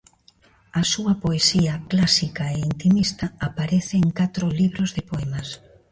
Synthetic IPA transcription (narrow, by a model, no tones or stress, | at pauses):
ɐsuɐpoesiɐklasikɐeint̪imist̪ɐːpaɾeθeːŋkat̪ɾʊliβɾozðepoɛmɐs